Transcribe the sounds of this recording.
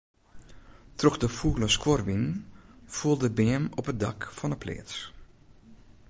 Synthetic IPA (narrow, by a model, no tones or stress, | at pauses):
trɔxdəfuːləskɔrʋinfuəlˠdəbeːmɔpədɑ̰kfɔnəpʰlḛːts